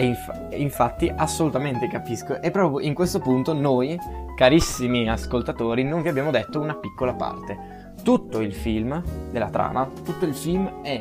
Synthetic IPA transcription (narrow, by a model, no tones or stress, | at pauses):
eiɱfa | iɱfat̪ːiʔasːolut̪ament̪ekapiskoʔepːɾɔːpɾoʔiŋkwest̪opunt̪onojkaɾisːimiaskolt̪at̪oːɾinoɱviabjaːmod̪et̪ːounapikːolapa̰rt̪e | t̪ut̪ːoilfilmd̪elːa̰t̪ɾa̰ːnat̪ut̪ːoilfilmɛ